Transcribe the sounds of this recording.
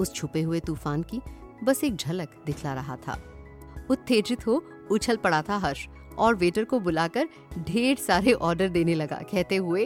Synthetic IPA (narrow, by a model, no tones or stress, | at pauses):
ʊst͡ʃʰʊpeɦʊet̪uːfaːnki | bɐseːk̚d͡ʒʱɐləkd̪ɪkʰlaɾɐɦa̰t̪ʰa̰ː | ʊt̪ʰːeːʈɾɪt̪ɦo | ʊt͡ʃʰəlpɐɽat̪ʰaɦɐɾʃ | ɔːɾʋeːʈəɾkobʊlaːkəɾ | ɖʱeːɽsaːɾeʔɔːɾɖəɾd̪eːnelɐɡa̰ːkɛɦt̪eɦʊe